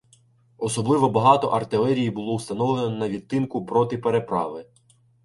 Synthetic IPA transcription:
ɔsɔblˠɪʋɔbɐɦɑt̪ɔ̰ʔɐrt̪ɪlˠɛɾʲijibʊlˠɔwst̪ɐnɔʋlˠenɔnɐʋʲit̪ːɪnkʊpɾɔt̪ɪpe̞ɾe̞pɾɑ̰ʋɪ

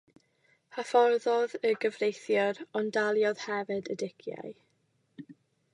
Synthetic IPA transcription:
hafɔrðɔðəɡəvrejθjɔɾɔndalˠjɔð̥hɛvɛdədɪkʰja̰j

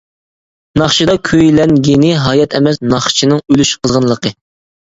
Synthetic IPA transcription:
nɑχt͡ʃʰid̪ɑkʲʰøjlɛnɡʲenɪɦɑjɛt̪ʰɛmɛsnɑχt͡ʃʰinɨŋølyʃqʰəzʁənlˠəqʰə

